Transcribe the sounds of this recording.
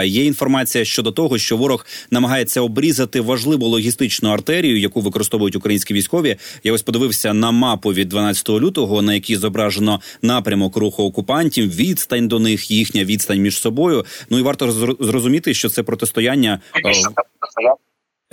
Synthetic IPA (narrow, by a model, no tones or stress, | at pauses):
jɛinfɔrmɑt͡sʲijɐʃt͡ʃɔd̪ɔt̪ɔɦɔʃt͡ʃɔʋɔɾɔxnɐmɐɦɑje̞t͡sʲːɐɔbɾʲizɐt̪ɪʋɐʒlˠɪʋʊlˠɔɦʲist̪ɪt͡ʃnʊɐrt̪ɛɾʲijʊjɐkuʋɪkɔɾɪst̪ɔʋʊjʊtʲʊkɾɐjinsʲkʲiʋʲijsʲkɔʋʲijaɔsʲpɔd̪ɪʋɪwsʲɐnɐmɑpʊʋʲid̪ːʋɐnɑt͡sʲɐ̥t̪ɔɦɔlʲut̪ɔɦɔnɐjɐkʲizɔbɾɑʒenɔnɑpɾʲɐmɔkɾuxʊːkʊpɑnʲtʲiwʋʲid̪st̪ɐnʲd̪ɔnɪxjixnʲɐʋʲid̪st̪ɐnʲmʲiʒ̥sɔbɔjʊnuiʋɑrt̪ɔzrɔzʊmʲit̪ɪʃt͡ʃɔt̪sɛpɾɔt̪est̪ɔjanʲːɐ